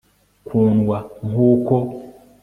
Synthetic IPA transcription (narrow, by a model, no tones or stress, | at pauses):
kʰunwaɦuko